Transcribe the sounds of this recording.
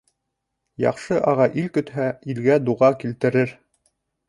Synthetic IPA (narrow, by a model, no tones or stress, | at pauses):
jɑ̰qʃɤʔɑʁɑʔilkɵ̆t̪hæilɡæd̪uʁɑkilt̪ɘ̆ɾɘɾ